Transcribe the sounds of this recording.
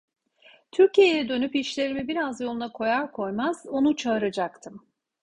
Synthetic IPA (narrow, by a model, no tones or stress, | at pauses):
t̪ʰyɾcijejɛd̪ø̞nypiʃlʲe̞ɾimibiɾazjo̞lˠunakʰo̞jaɾkʰo̞jmaz̥o̞nut͡ʃʰaɯɾad͡ʒakt̪ʰɯm